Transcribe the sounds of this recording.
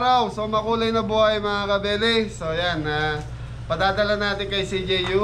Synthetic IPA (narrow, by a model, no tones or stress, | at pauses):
ɾawsomɐkuːlɐjnɐbuːhɐjmɐŋakɐbɛːlɛsojana | pɐd̪aːd̪ɐlɐnaːt̪ɪnkɐjsid͡ʒejju